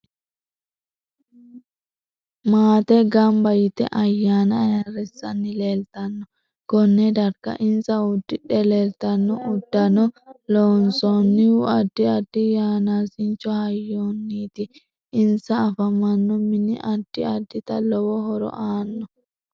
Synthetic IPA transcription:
maːt̪ɛɡambajit̪ɛ̰ʔajːanajarɛsanːilɛlt̪anːɔ | ɡ̥ɔnːɛdaɾka̰ʔinsaudːiɗɛlɛlt̪anːɔʔudːanɔlɔnsɔnːiwuadːiadːijanasint͡ʃɔhajːonːit̪iː | nsaːfamanːɔminiʔadːiadːit̪alɔwɔɦɔɾɔ̰ʔaːnːɔ

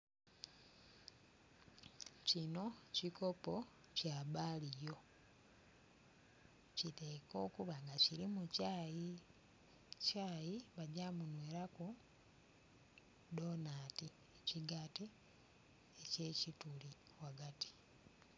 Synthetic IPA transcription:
cino̞ciko̞po̞ | caːbaːlijo̞ | cite̞ko̞ːkuβaŋɡaciɾimucai | caːjiβaɟamunweːɾaku | do̞naːti | eciɡati | ece̞ːcituli | waɡati̥

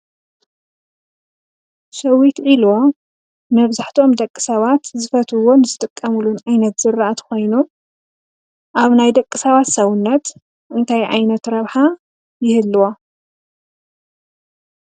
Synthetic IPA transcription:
sɐwit̪ʕilo̞ | mɐβzaħt̪ʰo̞md̪ɐkʼːɨ̥sɐβat̪zɨfɐt̪ʰɨwo̞nɨzɨt̪ʼɨkʼːɐmulunʕajnɐt̪z̥ɨrʔat̪kʰo̞jnu | ʔaβnajd̪ɐkʼːɨsɐβat̪sɐwʊnːɐt̪ | ʔɨnt̪ʰajʕa̰jnɐt̪ɾɐβħa | jɪhɨlːuwo

